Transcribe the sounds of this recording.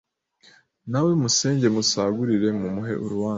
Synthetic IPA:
nawe̞muse̞ːɲɟe̞musaɡuɾiɾe̞mumuɦe̞̰ʔuɾuwaː

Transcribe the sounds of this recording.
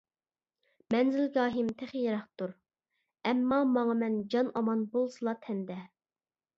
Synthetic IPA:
mɛnzɪlɡʲɑːɦimt̪ʰæχjeɾɑχt̪uɾ | ɛmːɑmɑŋɑmɛnd͡ʒɑnɑmɑnbolˠsɨlˠɑt̪ʰɛnd̪ɛ

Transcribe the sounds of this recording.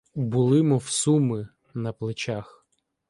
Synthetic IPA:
bʊlˠɪmɔwsumɪ | nɐplˠɪt͡ʃax

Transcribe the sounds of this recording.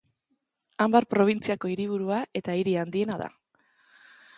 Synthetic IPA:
ambaɾpɾo̞β̞int͡siako̞iɾiβ̞uɾuaʔe̞t̪aiɾiand̪ie̞naða̰

